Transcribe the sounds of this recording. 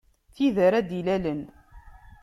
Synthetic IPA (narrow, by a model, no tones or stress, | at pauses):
θiðəɾæd̪ilælən